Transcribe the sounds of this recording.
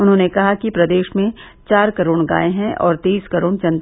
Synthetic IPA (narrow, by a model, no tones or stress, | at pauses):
ʊnɦõːnekɐɦakipɾɐd̪eːʃmẽ | t͡ʃaːɾkɐɾoːɽ̃ɡa̰ːeɦɛ̃ʔɔːɾt̪iːskɐɾoːɽ̃t͡ʃɐ̃nt̪